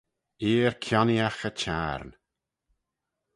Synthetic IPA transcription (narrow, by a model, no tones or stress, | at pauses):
iːɹkʰjɔnjaxət͡ʃʰa̰ɾn